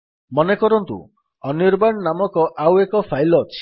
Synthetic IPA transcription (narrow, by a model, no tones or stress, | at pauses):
mɔnekɔɾɔnt̪ṵ | ɔniɾbaɳnamɔkɔʔawekɔpʰajlɔːt͡ʃʰi̥